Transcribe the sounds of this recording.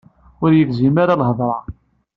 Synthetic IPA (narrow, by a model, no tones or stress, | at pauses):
ʊɾjəθzimaɾalɦəðˤɾˤɑ